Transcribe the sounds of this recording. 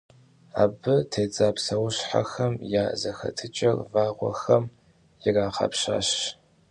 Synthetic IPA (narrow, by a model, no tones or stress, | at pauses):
a̰ːbɨtʰeːt͡sʼaːpsɐwɕħa̰xɐmjaːzɐxɐ̰tʰɨt͡ʃʼɐrvaːʁʷɔ̰xɐm | jɪraːχɐ̰pɕa̰ːɕ